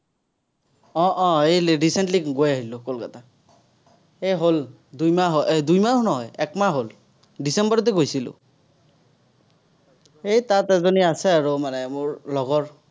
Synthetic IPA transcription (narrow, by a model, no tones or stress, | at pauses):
ɔ̃ʔɔ̃ejɹisɛntliɡojaɦilʊkolkata | ejɦol | dujmaɦɔʔedujmanɔɦɔjɛkmaɦol | disɛmbɔɹɔt̬ɛɡojsilʊ̰ | ejtatɛzoniasɛaɹumanɛmʊɹlɔɡɔɹ